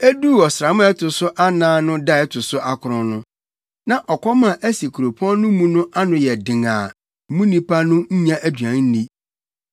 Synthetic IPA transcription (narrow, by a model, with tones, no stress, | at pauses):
æ˦du˦˨ɔ˨sɾa˨mʊ̃˦ɛ˦tʰʊ˨sʊ˦ʔa˦nãː˦nʊ̃˦da˦˨ɛ˦tʰʊ˨sʊ˦ʔa˦kʰʊ˨ɾʊ̃˦nʊ̃˦ | nã˨ʔɔ˨kʰɔ˦mã˨ʔæ˦si˨kʰu˨ɾo˨pʰɔ̃˦n˦nʊ̃˦mũ˦nʊ̃˦ʔa˦nʊ̃˨jɛ˨dɪ̃˨ŋa̰ː˨ | mũ˦nĩ˦pʰa˦nʊ̃˦ɲ̩˦ɲã˦ʔæ˦dɥã˨ŋ˦n̩˦nĩ˦